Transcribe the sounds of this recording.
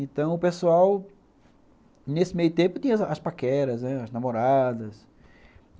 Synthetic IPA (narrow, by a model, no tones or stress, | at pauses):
ẽt̪ɐ̃w̃ʊpesuaw | nesɪmejʊt̪ẽmpʊt̪ĩɲɐɐspakɛɾɐznɛɐznamoɾad̪ɐs